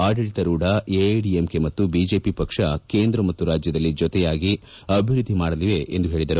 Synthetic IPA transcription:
aːɖiɽit̪ɐɾuːɖɐeɖiemkemɐt̪ːubiːd͡ʒe̞ːpipɐkʂɐke̞ːnd̪ɾɐmɐt̪ːuɾaːd͡ʒjɐd̪ɐlːid͡ʒɔt̪ɛjaːɡi | ɐbʱiɾud̪ʱːimaːɽɐliʋe̞ʔend̪uɦeːɭid̪ɐɾu

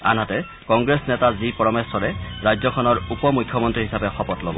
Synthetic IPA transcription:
a̰nɦatɛ | kɔŋɡɹesnɛtazipɔɹɔmesɔɹɛɹajzɔkʰɔnɔɹupɔmujkʰːjɔmɔntɹiɦisapɛxɔpɔtlobɔ̰

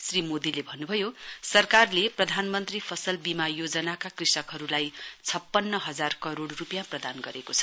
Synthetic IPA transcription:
srimod̪ilebʱʌnːubʱʌjosʌrkarleprʌd̪ʱanmʌnt̪ripʰʌsʌlbimajod͡zʌnakakrisʌkɦʌɾulajt͡sʰʌpːʌnːʌɦʌd͡zarkʌɾoɽrupjãprʌd̪anɡʌɾekot͡sʰʌ

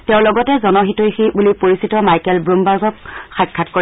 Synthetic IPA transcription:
tɛʊ̃lɔɡɔtɛzɔnɔɦitojxibulipoɹisitɔmajkɛlbɹumbaɹɡɔkxakʰːatko

